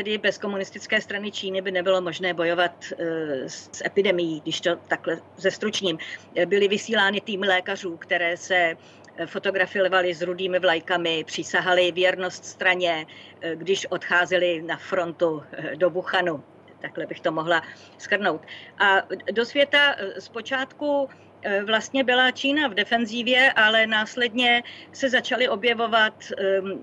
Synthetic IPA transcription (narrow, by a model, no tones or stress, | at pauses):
t̪ɛdɪbɛsko̞munɪst̪ɪt͡skɛːst̪ɾanɪt͡ʃiːnɪbɪnɛbɪlo̞mo̞ʒnɛːbo̞jo̞vat̪ | sʔɛpɪdɛmɪjiːɡdɪʃt̪o̞t̪aklɛzɛst̪ɾut͡ʃɲiːmbɪlɪvɪsiːlaːnɪt̪iːmɪlɛːkar̝uːkt̪ɛɾɛːsɛ | fo̞t̪o̞ɡɾafɪlvalɪzɾudiːmɪvlajkamɪpr̝̥ɪsaɦalɪvjɛɾno̞st̪st̪ɾaɲɛ | ɡdɪʃʔo̞t̪xaːzɛlɪnafɾo̞nt̪udobuxanu | t̪aklɛbɪxt̪omo̞ɦla | skr̩no̞wt̪ʔado̞svjɛt̪aspo̞t͡ʃaːt̪ku | vlast̪ɲɛbɪlat͡ʃiːnavdɛfɛnziːvjɛʔalɛnaːslɛdɲɛsɛzat͡ʃalɪʔo̞bjɛvo̞vat̪